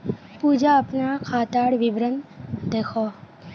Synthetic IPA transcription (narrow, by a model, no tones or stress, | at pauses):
puːd͡ʒaəpnakʰaːt̪aːɽʋibɾənd̪eːkʰoː